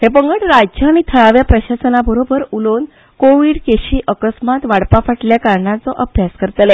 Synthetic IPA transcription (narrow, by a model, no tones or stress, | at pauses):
hepəŋɡəɽɾad͡ʑd͡ʑəaɽ̃it̪ʰəɭaʋjapɾəɕasənabəɾobəɾulon | koʋiːɽkeɕiːʔəkəsmat̪ʋaɽpafəʈljakaɾɳãt͡sɔʔəbʱjaskəɾt̪le